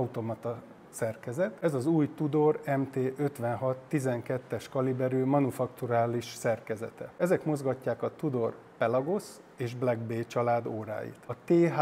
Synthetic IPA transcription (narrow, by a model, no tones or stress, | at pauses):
ut̪o̞mɒt̪ɒ | sɛrkɛzɛt̪ɛzɒzuːjt̪ud̪o̞rɛmt̪eːʔøt̪ʋɛnɦɒt̪ːizɛŋkɛt̪ːɛʃkɒlibɛɾøːmɒnufɒkt̪uɾaːliʃsɛrkɛzɛ̰t̪ɛ̰ɛzɛkmo̞zɡɒcːaːkɒt̪ud̪o̞r | pɛlɒɡo̞s | eːʒblɛɡbeːt͡ʃɒlaːd̪oːɾa̰ːjḭt̪ɒt̪eːɦ